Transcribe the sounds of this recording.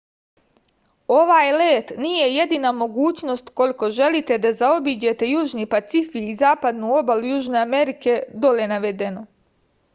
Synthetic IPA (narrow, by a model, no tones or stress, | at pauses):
o̞ʋaːjleːt̪nije̞je̞d̪inamo̞ɡuːt͡ɕno̞st̪ko̞liko̞ʒe̞lit̪e̞d̪azao̞biːd͡ʑe̞t̪e̞juːʒnipat̪sifiːzaːpad̪nuo̞balujuːʒne̞ame̞ɾike̞d̪o̞lenaʋe̞d̪e̞no̞